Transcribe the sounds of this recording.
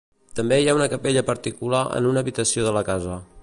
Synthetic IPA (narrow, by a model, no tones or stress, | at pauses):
t̪əmbejaunəkəpeʎəpəɾt̪ikulaʔə̰nunəβit̪əsioðələkazə